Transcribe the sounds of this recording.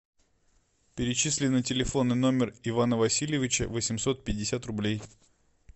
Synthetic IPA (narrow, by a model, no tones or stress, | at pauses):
pʲɪɾʲɪt͡ɕisʲlʲɪnːɨtʲɪlʲɪfo̞nːɨjno̞mʲɪrɪvanəvɐsʲilʲjɪvʲɪt͡ɕə̰vəsʲɪmso̞t̪̚pʲɪdʲːɪsʲat̪rʊblʲej